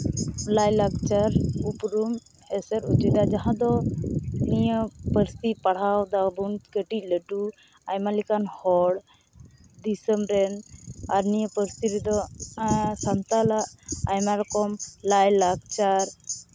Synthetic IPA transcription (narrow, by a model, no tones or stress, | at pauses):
lajlaɡt͡ʃaɾupɾum | ɛsɛɾut͡ʃid̪ad͡ʒaɦãd̪ɔ | nijəpəɾst̪ipaɽ̤awd̪abunt̪kəʈic̚ˀləʈu | ajmalikanhɔɽ | d̪isəmɾɛnaɾnijəpəɾst̪iɾɛd̪ɔ | sant̪alaʔajmaɾɔkɔmlajlaɡ̚t͡ʃaɾ